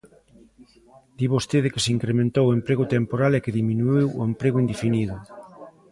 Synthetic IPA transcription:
d̪iβost̪eðɪkɪsiŋkɾemẽnt̪owoempɾeɣʊt̪empoɾalekeðimĩnuiwoempɾeɣʊind̪efiniðʊ

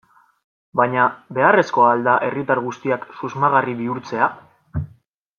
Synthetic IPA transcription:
bajɲabe̞are̞sko̞ald̪aʔe̞rit̪aɾɣ̞ust̪iaksuzmaɣ̞ariβiuɾt͡se̞a

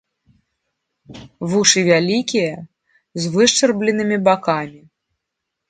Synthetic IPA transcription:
vuʂɨvʲalʲikʲijɐ | zvɨʂt͡ʂɛrblʲɛnɨmʲibakamʲi

